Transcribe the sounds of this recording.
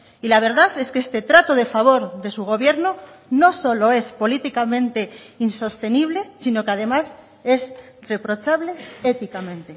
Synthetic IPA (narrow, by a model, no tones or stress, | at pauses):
ilaβ̞e̞ɾðaθe̞skest̪e̞t̪ɾat̪oðe̞faβ̞o̞ɾðe̞suɣ̞o̞βje̞ɾno | no̞so̞lo̞e̞spo̞lit̪ikamẽ̞nt̪e̞inso̞st̪e̞niβ̞le̞sino̞keað̞e̞mas | e̞s | re̞pɾo̞t͡ʃaβle̞et̪ikamẽ̞nt̪e